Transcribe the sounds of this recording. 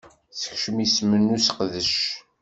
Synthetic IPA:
θə̥çʃəmismənːusəqðəʃ

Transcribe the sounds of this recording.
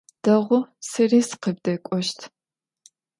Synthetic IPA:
d̥ɐʁʷʊsɨriːsqəb̚dɐkʷʼɔʃtʰ

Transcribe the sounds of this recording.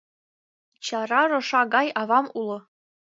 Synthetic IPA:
t͡ɕɑrɑrŏʂɑɡɑjɑvɑmulˠɤ̆

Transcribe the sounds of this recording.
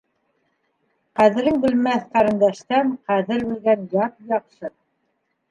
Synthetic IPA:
qæðɘ̆ɾɘŋbɘ̆lmæθqɑɾɤ̆nd̪æʃt̪æɴqæðɘɾʉlɡænjɑt̪jɑqʃɤ

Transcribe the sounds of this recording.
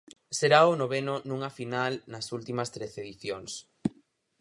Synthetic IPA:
seɾaonoβ̞enonũŋafinalnɐsult̪imɐst̪ɾeθeðiθjoŋs

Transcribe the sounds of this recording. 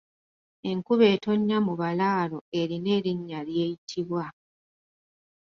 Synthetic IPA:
e̞ŋkuβe̞ːto̞ɲːamuβalaːlo̞e̞ɾine̞ːɾiɲːalje̞ːjitʰiβwa

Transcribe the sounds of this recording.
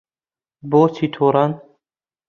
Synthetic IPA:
boːt͡sʰit̪ʰoɾan

